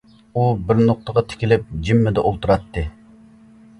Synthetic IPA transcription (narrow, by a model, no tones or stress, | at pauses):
ubɪɾnoq̚t̪əʁɑt̪ʰɪ̥kʲɪlɪp̚d͡ʒimːɪd̪ɛʔolˠt̪uɾɑt̪ːɨ